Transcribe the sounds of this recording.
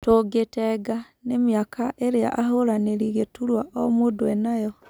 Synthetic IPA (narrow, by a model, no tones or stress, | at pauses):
toɡetɛɡa | nemjakʰaʔeɾea̰ʔaɦoɾaneɾiɣetuɾwaʔɔmodwɛnajɔ